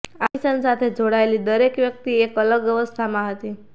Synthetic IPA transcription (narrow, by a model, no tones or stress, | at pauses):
aisənsat̪ʰed͡ʒʱoɽaelid̪əɾekʋjək̚t̪iekələɡʋjəʋəst̪ʰamãɦət̪i